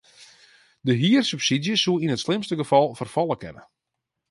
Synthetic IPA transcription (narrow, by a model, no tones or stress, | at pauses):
dəɦiərsypsidjəsuinətslɪmstəɡəfɑlˠfərfɑlˠəkɛnə̰